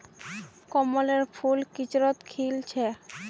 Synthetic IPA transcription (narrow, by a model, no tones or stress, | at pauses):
kɔmoleɾfʰulkit͡ɕɾot̪kʰilt͡ɕʰe